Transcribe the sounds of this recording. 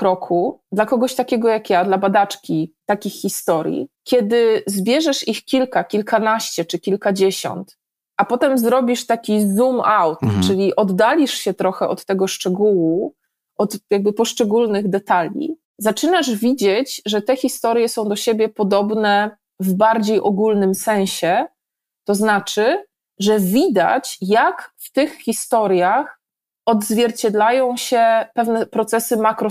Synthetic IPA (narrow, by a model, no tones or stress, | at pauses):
kɾɔkʰud̪lakɔɡɔɕt̪akʲɛɡɔjakjad̪labad̪at͡ʂkʲit̪akʲixːʲist̪ɔɾʲjḭkʲjɛd̪ɘzbʲjɛʐɛʂixkʲilkakʲilkanaɕt͡ɕɛt͡ʂɘkʲilkad͡ʑeɕɔ̰nt̪ | ʔapɔt̪ɛmzɾɔbʲiʂt̪akʲizumawt̪t͡ʂɘlʲiʔɔd̪ːalʲiʂɕɛt̪ɾɔxɛʔɔt̪ːɛɡɔʂt͡ʂɛɡuwu | ʔɔt̪jaɡ̚bɘpɔʂt͡ʂɛɡulnɘɣd̪ɛt̪alʲḭ | zat͡ʂɘnaʐvʲid͡ʑet͡ɕʐɛt̪ɛxʲist̪ɔɾjɛsɔ̃w̃d̪ɔɕebʲjɛpɔd̪ɔbnɛ | vbaɾd͡ʑejʔɔɡulnɘmsɛ̃w̃ɕɛ | t̪ɔznat͡ʂɘ | ʐɛvʲid̪a̰t͡ɕjakft̪ɘxxʲist̪ɔɾjax | ɔd̪zvʲjɛɾt͡ɕɛd̪lajɔ̃w̃ɕɛpɛvn̪ɛpɾɔt̪sɛsɘmakɾɔ